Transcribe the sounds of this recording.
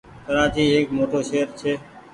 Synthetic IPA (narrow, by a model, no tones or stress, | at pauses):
kəɾãːt͡ʃiːɦeːkmoːʈoːʃeːəɾt͡ʃʰeː